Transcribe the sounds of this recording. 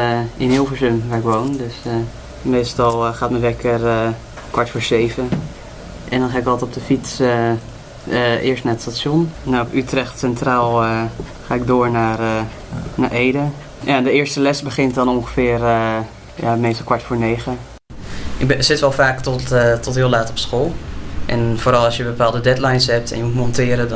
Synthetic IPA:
ʔɪnɦɪːlˠfəɹzømʋaːɹɪkʋowndøs | mejstɑlˠχaːtməʋɛkər | kʋɑɹtfʊːɹzejvən | ʔɛndɑnχaːɪkɔlˠtɔp̚dəfits | ɪ̰ːɹstnaːɹətstatsɔnnawpytrɛχtsɛntraːlˠχaːɪɡ̚dʊːɹnaːrə | na̰ɹʔejdə | jandəɪːɹstəlɛsbəχɪntdɔnɔŋχəfɪːrə | ja̰mɛnsɔlˠkʋaɹtfoːɹneːχə | ɪkbsɪtʋɛlˠfaːktɔttɔtɦɪːlaːtɔpsxolˠʔɛ̰nfoːɾɑlˠɑsjəbəpaːlˠdədɛtlajnsɦɛp̚tɛ̰njəmutmɔntɪəɾə

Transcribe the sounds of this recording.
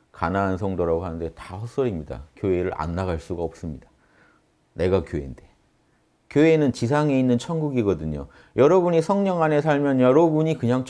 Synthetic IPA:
kanaɦans̬ʰʌŋdoɾaɡoɦanɯnde̞tahʌs͈ʌɾimɲida̰kjoe̞ɾɯɾʔa̰nːaɡaɭs͈uɡaʌp̚s͈ɯmɲida | ne̞ɡakjoḛnd̥e̞ | kjoe̞nɯnt͡ɕis̬ʰaŋe̞inːɯnt͡ɕʰʌnɡuɡiɡʌdɯɲo̰ | jʌɾʌbuɲisʰʌŋɲʌŋane̞sʰaɭmjʌnjʌɾʌbuɲikɯɲaŋt͡ɕʰ

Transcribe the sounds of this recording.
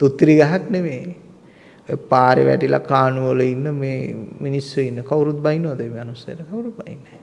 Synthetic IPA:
t̪ut̪ːɾiɡaɦaknemeː | paːɾḛʋæ̰ʈila̰kaːnuʋələinːəmeːminisːuinːəkawuɾut̪̚bainːoʋad̪əmeːanusajə̰ʈəkawuɾut̪̚baḭnːə

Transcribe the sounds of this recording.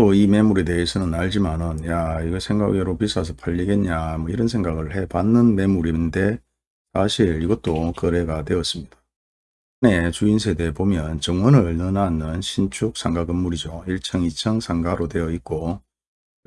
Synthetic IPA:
oime̞muɾe̞de̞ːsʰʌnɯnaɭd͡ʑimanɯnjaiɡʌsʰe̞ŋɡa̰ɡieɾopis͈ʰas̬ʰʌpʰaʎːiɡe̞nɲamwʌiɾʌnsʰe̞ŋɡaɡɯɭhe̞panːɯnme̞muɾinde̞ | sʰaɕʰiɾiɡʌt̚t͈okʌɾe̞ɡatwe̞ʌs͈ɯmɲid̥ḁ | ɯne̞t͡ɕuinsʰe̞de̞pomjʌnt͡ɕʌŋwʌnɯɭʌɭnɯnanːɯnɕʰint͡ɕʰuk̚s͈ʰaŋɡaɡɯmːuɾid͡ʑoiɭt͡ɕʰʌŋit͡ɕʰʌŋsʰaŋɡaɾodwe̞jʌik̚k͈o

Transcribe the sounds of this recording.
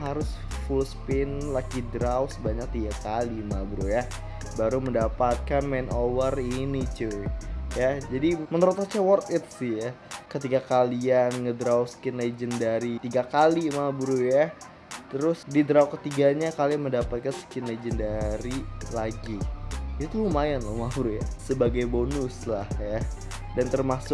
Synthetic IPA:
ɦaɾʊsfulspɪnlakidɾawsəbaɲak̚t̪iɡakalimabɾuja | baɾuməndapat̪̚kanmɛnʔowərinit͡ʃujad͡ʒadimənəɾut̪at͡ʃawɔrt̪ɪt̪̚sɪhjakət̪iɡakalianŋədɾawsə̥kɪnled͡ʒəndaɾit̪iɡakalimabɾuja | t̪əɾʊsdidɾawkət̪iɡaɲakaliməndapat̪̚kansə̥kɪnled͡ʒəndaɾilaɡiit̪ut̪uumajanlohmabɾujasəbaɡajbonʊslahja | dant̪ərmasʊk̚

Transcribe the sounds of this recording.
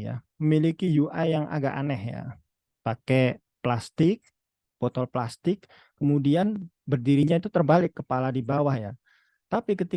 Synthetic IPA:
ja̰məmilikijuʔajjaŋʔa̰ɡa̰ʔa̰nɛhja̰ | pakɛ | plast̪ɪk̚ | pot̪ɔlplast̪ɪkː | əmudian | bərdiɾiɲait̪ut̪ərbalɪkːəpaladibawahja̰ | t̪apikət̪i

